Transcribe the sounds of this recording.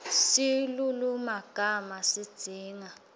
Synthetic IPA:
silulumaɡ̥ʱamasid̥z̥ʱiːŋa

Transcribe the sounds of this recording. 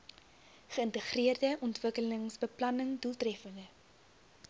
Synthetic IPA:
χəəntəχriərdəʔɔntvəkələŋsbəplɐnəŋdulˠtrɛfəndə

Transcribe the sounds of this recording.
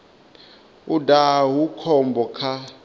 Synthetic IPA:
udaɦukʰɔmbɔkʰa

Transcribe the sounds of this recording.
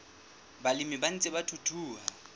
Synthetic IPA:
balɪmiban̩t͡sʼɪbatʰutʰuːɦa

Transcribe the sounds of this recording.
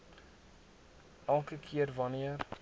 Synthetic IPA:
ʔælˠkəkʰiərvɐniər

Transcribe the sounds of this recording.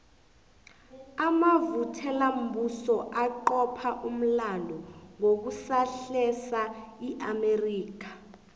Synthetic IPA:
amavutʰɛlam̩busɔʔaǃɔpʰaʔum̩landʱɔŋok̬usaɬɛsaiʔameriːk̬ʰḁ

